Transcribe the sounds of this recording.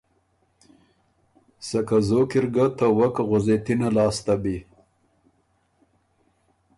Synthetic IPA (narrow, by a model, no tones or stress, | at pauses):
sakazokiɾɡat̪awakɣʊzet̪inalɑːst̪abi